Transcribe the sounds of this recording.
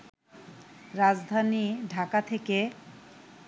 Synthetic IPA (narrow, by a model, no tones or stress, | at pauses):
ɾad͡ʑd̪ʱaniɖʱakat̪ʰeke